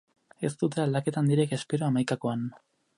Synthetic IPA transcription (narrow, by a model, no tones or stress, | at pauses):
e̞st̪ut̪̬e̞ald̪ake̞t̪and̪iɾe̞ke̞spe̞ɾoamajkako̞an